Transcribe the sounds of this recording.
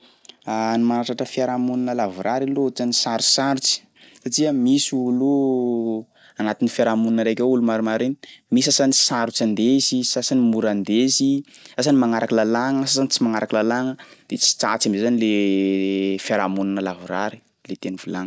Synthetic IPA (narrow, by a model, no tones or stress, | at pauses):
animanaʈ͡ʂaʈ͡ʂəfiaɾamunanəlavuɾaɾilot͡sanisaɾusaɾut͡si̥ | saʈ͡ʂiəmisuulu | anat̪inifjaɾamununəɾekʲaulumaɾumaɾenimisasanisaɾut͡sand̪ezisasanimuɾand̪ezisasanimaŋaɾakəlalaŋəsasanit͡simaŋaɾakəlalaŋəd̪̥et͡si̥t͡sa̰t͡sambzezanile | fjaɾamunanəlavuɾa̰ɾi̥ | let̪enivulaŋə